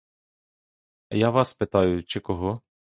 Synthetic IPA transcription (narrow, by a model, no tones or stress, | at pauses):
jaʋɑspɪt̪ɑjʊt͡ʃɪkɔɦɔ